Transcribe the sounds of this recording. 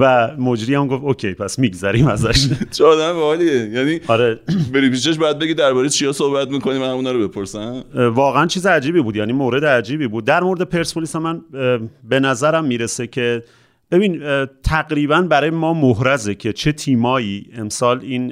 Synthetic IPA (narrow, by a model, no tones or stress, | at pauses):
væmo̞d͡ʒɾiːæmɡoft̪ocʰejpʰæsmiːɡzæɾimæzæʃt͡ʃʰeɒːd̪æmebɒeliejæːniːɒɾe̞beɾipʰiːʃ̬eʃ̬bɔːjæd̪beɡid̪æɾbɒɾejt͡ʃʰijɒːsohbæt̪miːkʰonimænhæmuːnɒːɾobe̞pʰoɾsæmvɒːɣeænt͡ʃʰiːzeæd͡ʒiːbiːbuːd̪jæːniːmoːɾe̞d̪eæd͡ʒiːbiːbuːd̪̚ːæɾmo̞ɾed̪epʰe̞ɾsolisemænbe̞næzæɾæmːiːɾesecʰe̞ | b̥e̞biːnt̪ʰæɣɾiːβænbæɾɒːjemɒːmoɦɾæzecʰe̞t͡ʃʰe̞t̪ʰiːmɒːjiːe̞msɒːliːn